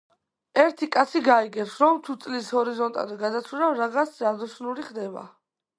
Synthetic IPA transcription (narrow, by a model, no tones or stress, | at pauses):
ɛɾt̪ʰikʼat̪sʰiɡaiɡɛpsɾɔmt̪ʰut̪sʼlishɔɾizɔnt̪ʼa̰d̪ɛɡad̪at̪sʰuɾavɾaʁasʰzad̪ɔʃnuɾiχd̪ɛba̰